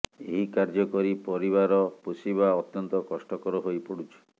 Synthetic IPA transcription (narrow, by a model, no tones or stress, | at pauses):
eɦikaɾd͡ʒɔkɔɾipɔɾiβaɾɔpusibaɔt̪jɔnt̪ɔkɔsʈɔkɔɾɔɦojpɔɽut͡ʃʰi̥